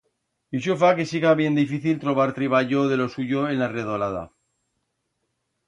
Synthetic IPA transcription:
iʃ̬ofake̞siɣaβje̞nd̪ifiθilt̪ɾo̞β̞aɾt̪ɾiβaʝoðe̞lo̞suʝo̞e̞nlareðolaða̰

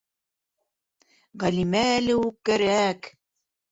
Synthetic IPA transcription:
ʁælimæːlɘukːæɾæk

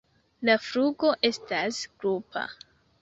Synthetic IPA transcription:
lafɾuɡo̞ʔe̞stasɡ̥ɾupʰa̰

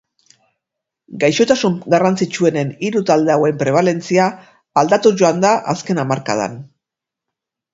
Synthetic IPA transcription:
ɡajʃo̞t̪asuŋɡarant͡sit͡ʃue̞ne̞niɾut̪ald̪e̞awe̞mpɾe̞β̞ale̞nt͡siaː | ld̪at̪uʝo̞and̪aʔaske̞namaɾka̰ð̞a̰n

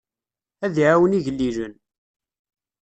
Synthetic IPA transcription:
æðʕawəniʝəlːiʒən

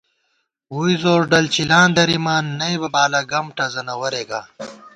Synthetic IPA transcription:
wujzoːɾɖɐlt͡ɕilãːnd̪ɐɾimaːnːɐjbɐbaːlaɡɐmʈɐzɐnɐwɐɾeɡaː

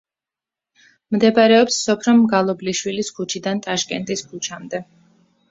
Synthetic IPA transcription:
md̪ɛbaɾɛɔpsːɔpʰɾɔmɡalˠɔbliʃwiliskʰut͡ʃʰid̪ant̪ʼaʃkʼɛnt̪ʼiskʰut͡ʃʰamd̪ɛ

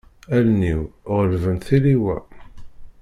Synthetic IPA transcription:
ælniwʁəlvənθiliwæ

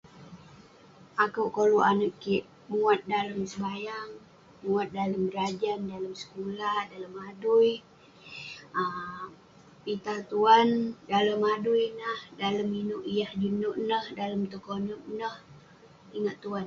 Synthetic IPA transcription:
akəwʔkoluʔanəʔkiʔ | muat̪̚daləmsəbajaŋ | muat̪̚daləmbəɾad͡ʒandaləmsə̥kulahdaləmaduj | ə | pit̪at̪uandaləmadʊjnəhdaləminʊʔijahd͡ʒinʊʔnəhdaləmt̪ukonʊʔnəh | iŋaʔt̪uan

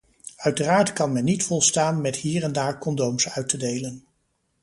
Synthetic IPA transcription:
œɥtəraːɹtkɑnmɛnːitfɔlˠstaːnmɛtɦiːrɛndaːɹkɔndowmsœɥtədejlən

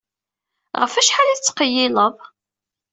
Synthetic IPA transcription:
ʁəfæʃħalæt͡sːqəjːɪlˤəðˤ

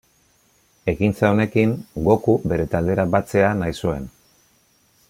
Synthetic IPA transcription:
e̞kint͡saone̞kiŋɡo̞kube̞ɾe̞t̪ald̪e̞ɾabat͡se̞anajsue̞n

